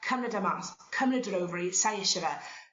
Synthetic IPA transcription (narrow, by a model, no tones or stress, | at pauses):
kʰəmnədəmaskʰəmnədəɾowvəɹisajɪʃəɾə